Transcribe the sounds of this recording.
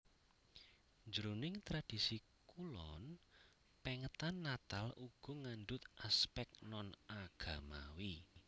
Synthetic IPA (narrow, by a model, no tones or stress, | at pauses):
ɲd͡ʒəɾunɪŋt̪ɾad̥i̤si | kulɔn | pɛŋət̪anːat̪aluɡ̥ɔŋanɖʊt̪ʔaspɛk̚nɔnaɡ̥a̤mawi